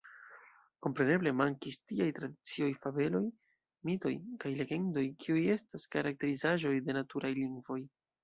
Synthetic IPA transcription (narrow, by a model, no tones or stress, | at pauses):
ko̞mpɾe̞ne̞ble̞maŋkistiajtɾadit͡sio̞jfave̞lo̞j | mito̞̰jkajle̞ɡe̞ndo̞jkʰiuje̞staskaɾak̚te̞ɾizaʒo̞jde̞natuɾʔajliŋɡvo̞j